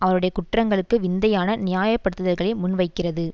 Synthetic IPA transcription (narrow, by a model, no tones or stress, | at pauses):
ʔɐʋɐɾɯɽɐjɐkʊʈrɐŋɡɐɭɯkːɯʋɪnd̪ɐjaːnɐnɪjaːjɐpːɐɽɯt̪ːɯðɐɾɣɐɭɪmʊnʋɐɪkːɪrɐðɯ